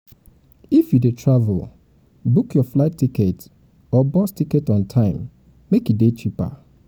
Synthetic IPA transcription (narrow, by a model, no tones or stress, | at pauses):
ifjudetʰɹavʊ̰l | bukjɔflaɪtːikɛt | ɔbɔstikɛtɔ̃n̩tʰãɪ̃mː | ekidet͡ʃipa̰